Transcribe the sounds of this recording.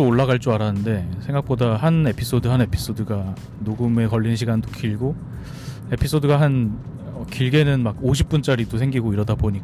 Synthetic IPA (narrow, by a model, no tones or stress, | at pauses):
ooɭːaɡaɭt͡ɕ͈oaɾanɯnde̞sʰe̞ŋɡak̚p͈odaɦane̞pʰis͈odɯɦane̞pʰi̥s͈odɯɡa | noɡɯme̞kʌʎːinɕʰiɡandokiɭɡo | e̞pʰis͈ʰodɯɡaɦan | ʌkiɭɡe̞nɯnmaɡoɕʰip͈̚unt͡ɕ͈aɾidosʰe̞ŋɡiɡoiɾʌdaboɲik͈a